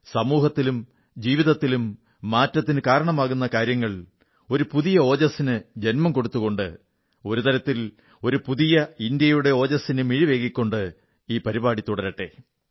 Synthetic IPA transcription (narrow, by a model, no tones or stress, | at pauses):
sɐmuːhɐt̪ːilum | d͡ʑiːʋiðɐt̪ːilumː | aːtːɐt̪ːinɨkaːɾɐɳɐmaːɣun̪ːɐkaːɾjɐŋːɐɭ | o̞ɾupuðijɐo̞ːd͡ʑɐsinɨd͡ʑe̞nmɐmko̞ɽut̪ːuɣo̞ɳɖɨ̰ | o̞ɾut̪ɐɾɐt̪ːil | o̞ɾupuðijɐind̪jɐjuɽe̞o̞ːd͡ʑɐsinɨmiɻiʋe̞ːkːikʲːo̞ɳɖɨ | iːpɐɾibaːɽit̪ːuɽɐɾɐʈːe̞̰